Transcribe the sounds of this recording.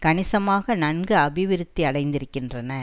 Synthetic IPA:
kɐɳɪsɐmaːɣɐnɐnɡɯɐbɪʋɪɾɯt̪ːiɐɽɐɪnd̪ɪɾɯkːɪndrɐnɐ

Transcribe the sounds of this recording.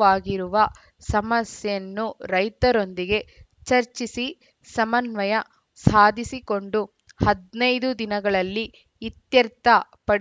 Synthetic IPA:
aːɡiɾuʋɐ | sɐmɐsjɐɐnːuɾɐjt̪ɐɾo̞nd̪iɡe̞ | t͡ʃɐɾt͡ʃisi | sɐmɐnʋɐjɐ | saːd̪ʱisiko̞ɳɖu | hɐd̪nɐjd̪ud̪inɐɡɐɭɐlːiː | t̪jɐɾt̪ɐ | pɐɽ

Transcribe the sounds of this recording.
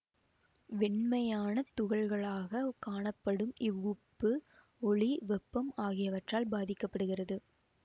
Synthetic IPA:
ʋɛɳmɐjaːnɐt̪ʊɣɐɭɣɐɭaːɣɐkaːɳɐpːɐɽɯmʔɪʋːʊpːɯ | ɔɭiʋɛpːɐmaːɣɪjɐʋɐʈraːlbaːðɪkːɐpːɐɽɯɣɪrɐðɯ

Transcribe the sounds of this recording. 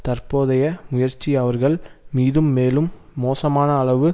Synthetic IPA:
t̪ɐɾpoːðɐjɐmʊjɐɾt͡ʃːiɐʋɐɾɣɐɭmiːðɯmːeːlɯmːoːsɐmaːnɐːɭɐʋɯ

